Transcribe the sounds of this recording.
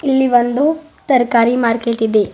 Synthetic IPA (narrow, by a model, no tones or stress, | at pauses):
ilːiʋɐnd̪ut̪ɐɾkaːɾimaːɾkeʈid̪e